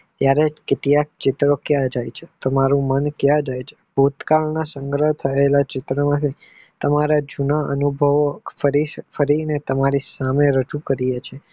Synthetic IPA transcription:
t̪jaɾekɪt̪ijak̚t͡ʃɪt̪ɾokjãd͡ʒajt͡ʃʰe̥t̪əmaɾũmənkjãd͡ʒajt͡ʃʰe̥bʱut̪kaɭnasəŋɡɾəɦt̪ʰəelat͡ʃɪt̪ɾəmãt̪ʰi | t̪əmaɾad͡ʒunaənubʱəʋfəɾifəɾinet̪əmaɾisameɾəd͡ʒũkəɾijet͡ʃʰe

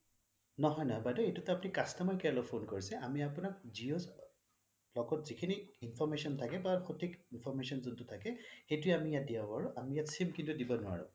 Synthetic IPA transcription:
nɔɦɔjnɔɦɔjbadɔejtutɛapʊnikastɔmaɹkɛlɔpʰonkoɹisɛʔamiapʊnak̚zios | lɔɡɔtzikʰiniinpʰɔɹmesiɔntʰakɛbaxotʰikinpʰɔɹmesiɔnzuntʊtʰakɛxejtʊeamijat̚diabɔaɹʊʔamijatsimkintʊdibɔnʊwa̰ɹʊ̰

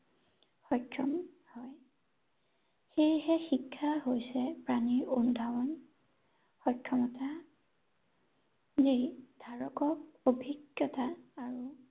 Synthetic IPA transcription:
xɔjkʰːɔm | hɔj | xejhɛxikʰːaɦojsɛpɹaniɹundʱawɔn | xɔjkʰːɔmɔta | zid̥ʱaɹɔkɔk̚obʱiɡjɔtaːɹu

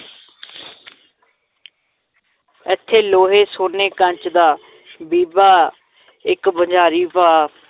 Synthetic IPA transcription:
ɛt̪ʰːeːloːɦeːsoːneːkəɲt͡ʃd̪aː | biːbaː | ɪkbəd͡ʒaːɾiːpaː

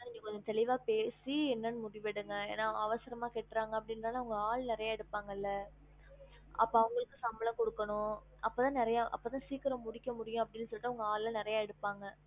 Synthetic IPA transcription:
nɪ̃ŋɡɐkɔɲd͡ʒɐ̃t̪ɛɭɪʋaːpeːsiɛnːɐnɯmʊɽɪʋɪɽɯŋɡɐḛːnːaːɐʋɐsɪɾɐmaːkeːʈːɾaːŋɡɐpːɐɽɪnnaːlaʊŋɡɐaːɭnɪɾɐjaːɛɽɯpːaːŋɡɐɪlːɐ | ʔɐpːoɐʋɐŋɡɐɭɯkːɯsɐmbɐlɐ̃kɔɽɯkːɐɳʊ̃ | ɐpːoːt̪ãːnɪɾɐjaːʔɐ̰pːoːt̪ãːsiːkɪɾɐmʊɽɪkːɐmʊɽɪjʊ̃ɐpːɐɽɪnːɯsɔlːɪʈːaʊŋɡɐaːɭlɐ̃nɪɾɐjaːɛɽɯpːaːŋɡɐ

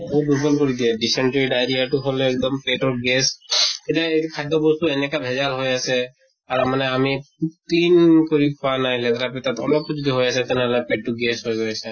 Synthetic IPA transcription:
bobubɔlkoɹid̪iɛɖisɛɳʈeɹiɖajɾiaʈuɦoleɛk̚d̪ɔmpeʈɔɹɡesketaekʰajd̪ɔbɔst̪uenɛkabʱɛd͡ʒalɦojasɛ | aɾamanɛamiputinkɔɹikʰɔwanajlɛt̪ɾapɛt̪at̪ɔ̰lɔp̚ːɔd͡ʒɔd̪iɦojasɛt̪ɛnɛɦlɛpeʈːuɡesɦojɡɔjasɛ

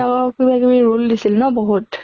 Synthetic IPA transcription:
akɔkibakibiɹuldisilnɔbɔɦut

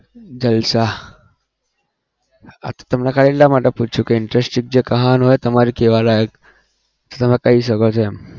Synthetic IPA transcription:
d͡ʑəlsa | a̰t̪ḁt̪əmnakaɭelːamaʈːəput͡ʃʰukeiɳʈɾesʈiŋɡ̚d͡ʑekəɦanɦojt̪əmaɾikeʋalajək | t̪ət̪əmakaɦiːs̬əɡəɭt̪ʰem

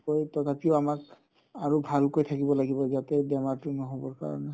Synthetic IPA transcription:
kojtɔtʰapioamak | aɹubʱalkojt̪ʰakibɔlaɡibɔzatɛbɛmaɹtʊnɔɦobɔɹka̰ɹɔ̰nɛ

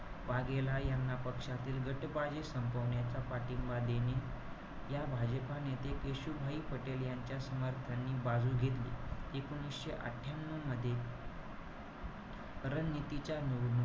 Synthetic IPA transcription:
ʋaɡelajanːapəkʂat̪iːlɡʱəʈbad͡ʑesəmpəʋɳjat͡ɕapaʈimbad̪ene | jabʱad͡ʑəpanet̪ekeɕubʱaiːpəʈeljaɲt͡ɕjasəməɾt̪ʰanːiːbad͡zʱuːɡʱet̪lḭekuñisɕeʔa̰ʈʰːjamnuməd̪ʱːje | ɾənːit̪it͡ɕjanun

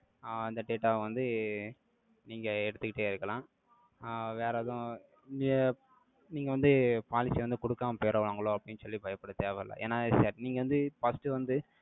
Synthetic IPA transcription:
ɐnd̪ɐɖeːʈaːʋɐnd̪ɯ | niːŋɡɐɛɽɯt̪ːɯkːɪʈːeːɪɾɯkːɐlãː | ʋeːɾɐðʊ̃ | n | niːŋɡɐʋɐnd̪ɯpaːlɪsiʋɐnd̪ɯkɔɽɯkːaːmɐpeːɾɐʋɭaːŋɡɐɭõːɐpːɐɽɪnːɯsɔlːibɐjɐpːɐɽɐt̪eːʋɛlɐ̰ʔḛːnːaːsaːɾniːŋɡɐʋɐnd̪ɯfɐsʈɯʋɐnd̪ɯ

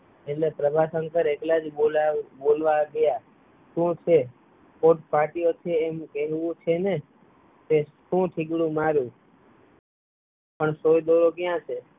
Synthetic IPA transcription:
etlepɾəbʱasəŋkəɾeklad͡ʒbolabolʋaɡəja | ʃũt͡ʃʰe | koʈpaʈiot̪ʰeːmkɛɦʋũt͡ʃʰene | keʃũʈʰɪɡɽũmaɾjũ | pəɳsojd̪oɾokjãt͡ʃʰe

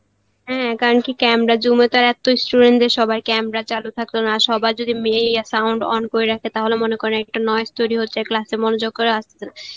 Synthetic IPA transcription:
ɦɛ̃kaɾonkikɛmɾad͡ʑumet̪aɾɛt̪oisʈuɖeɳʈeɾʃɔbajkɛmɾat͡ɕalut̪ʰak̚t̪onaʃɔbajd͡ʑod̪imejasawɳɖɔ̰nkoeɾakʰet̪aɦolemonekoɾnaɛk̚ʈanɔest̪oɾiɦotːɕʰeklasemonod͡ʑoɡ̚koɾeast̪ʰe̥sʰena

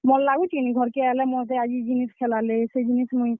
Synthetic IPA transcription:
mɔllaɡut͡ʃiniɡʱɔɾkealɛmɔd͡ʒ̪ead͡ʒid͡ʒiniskʰelalesed͡ʒinismui

